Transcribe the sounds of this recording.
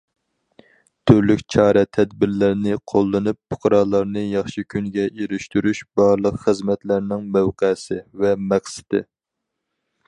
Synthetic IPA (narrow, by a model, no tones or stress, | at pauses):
t̪ʰøɾlykʲt͡ʃʰɑːɾɛt̪ʰɛd̪̚bɪɾlæɾnɪqʰolˠːɨnupːʊ̥qɾɑːlˠɑɾnɨjɑχʃikʲʰynɡʲɛʔeɾyʃt̪yɾyʃb̥ɑɾlˠəqχəzmɛt̪læɾnɪŋmæwqæsɪvɛmɛχsɪ̥d̪ɪ̰